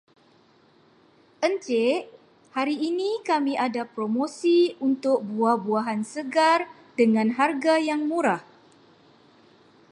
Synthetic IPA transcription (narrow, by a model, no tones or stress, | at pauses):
ʔənt͡ʃeʔ | haɾiːnikamiʔadapɾomosiunt̪ʊk̚buahbuaɦansəɡar | dəŋãnɦarɡajaŋmuɾah